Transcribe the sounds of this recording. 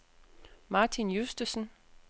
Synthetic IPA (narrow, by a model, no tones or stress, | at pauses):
mɑ̈ːt͡sʰinjusd̥əsən̩